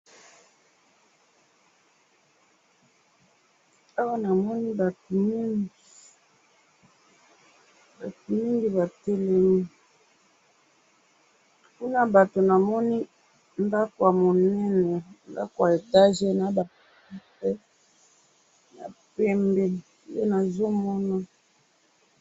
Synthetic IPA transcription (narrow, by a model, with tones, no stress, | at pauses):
a˦wa˦na˨mɔ˦ni˦ba˨tmi˦ŋɡi˨ | ba˨to˨mi˦ŋɡi˨ba˨tɛ˦lɛ˦mi˦ | ku˦na˦ba˨to˨na˨mɔ˦ni˦ | nda˦ko˨a˨mo˨nɛ˦nɛ˨n˦da̰˦ko˨a˨e˨ta˦ʒe˦na˨˦ba˨p | ɛ˦pɛ˦ | na̰˨pɛ˦mbɛ˨˦ | e˦na˨zo˦mɔ˦na˦